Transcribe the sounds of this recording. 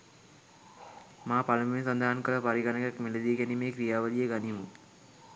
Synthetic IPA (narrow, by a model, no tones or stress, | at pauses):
maːpaləmensand̪ʱaɦankəɾəpaɾiɡanəkakmeləd̪iɡɛnimeːkɾijaːʋəlijəɡanimu